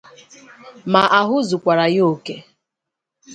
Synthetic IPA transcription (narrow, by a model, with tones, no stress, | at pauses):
ma˨ʔa˨ɦʊ˦zʊ˨kʷa˨ɾa˨jo˨ke˨